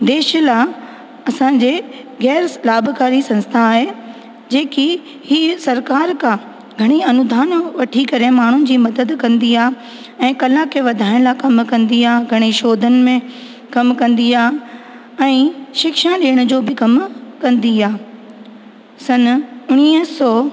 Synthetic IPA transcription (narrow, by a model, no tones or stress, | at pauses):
d̪eːʃla | ɐsãd͡ʑeː | ɣɛːɾlaːbʱkaːɾisɐ̃nst̪ʰaːɦe | d͡ʑeːki | hisɐɾkaːɾkʰã | ɡʱɐɽ̃iɐnʊd̪ʱaːnʋɐʈʰikɐɾemaːɳ̤ʊnɪ̆d͡ʑiːmɐd̪əd̪kɐ̃nd̪iaː | ɛ̃ːkɐlakʰeʋɐd̪ʱaːɪɽ̃lakɐmkɐ̃nd̪iaːɡʱɐɽ̃iʃoːd̪ʱənɪ̆mẽ | kɐmkɐ̃nd̪iaː | ɛ̃ːʃɪkʃãɗeːəɽ̃ʊd͡ʑoːbɪkɐmkɐ̃nd̪iaː | sɐnʊɽ̃iːəsɔː